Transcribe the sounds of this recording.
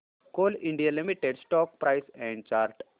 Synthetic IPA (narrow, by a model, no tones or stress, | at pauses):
koːliɳɖijalimiʈeɖsʈɔːk̚pɾʔɐjsɛ̃ːɳɖt͡ʃaːɾʈ